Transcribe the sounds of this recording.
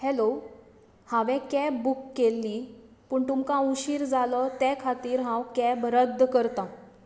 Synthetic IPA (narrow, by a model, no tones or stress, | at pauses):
hɛlo | hãʋɛ̃kɛbːukːelːi | pəːɳt̪umkãuɕiːɾd͡zalɔt̪ɛkʰat̪iːɾɦãwkɛbɾəd̪ʱːkəɾt̪ã